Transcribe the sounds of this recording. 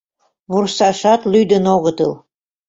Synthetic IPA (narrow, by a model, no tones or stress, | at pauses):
βursɑʃɑt̪lyjd̪ə̆noɣə̆t̪ɤl